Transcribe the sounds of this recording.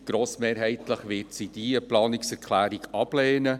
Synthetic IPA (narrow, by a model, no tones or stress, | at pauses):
ɡ̥ɾoːsmeːɾɦɛɪt̪ləχʋɪːɾtsid̥iəplɑːnɪksɛɾkʰlæːɾiɡɑb̥leːnə